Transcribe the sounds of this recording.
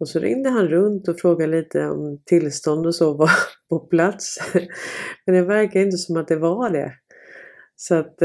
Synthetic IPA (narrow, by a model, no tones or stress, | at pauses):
ɔsɔɾɪ̰ŋd̪əɦanɾɵnt̪ɔfɾoːɡad̪liːt̪ʰəɔ̰mt̪ʰɪlst̪ɔnd̪ɔsɔvapʰɔpʰlat̪s | mɛnd̪ɛvæɾkaɪnt̪əsɔmat̪̚d̪ɛvaɖɛ̰ | sat̪